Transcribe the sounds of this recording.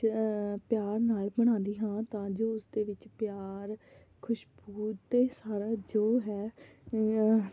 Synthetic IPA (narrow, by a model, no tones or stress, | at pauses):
pjaːɾnaːlbəɽ̃ãːnd̪iːɦãːt̪ãːd͡ʒoːʊsd̪eːʋɪt͡ʃpjaːɾ | kʰʊʃbuːt̪eːsaːɾaːd͡ʒoːɦɛː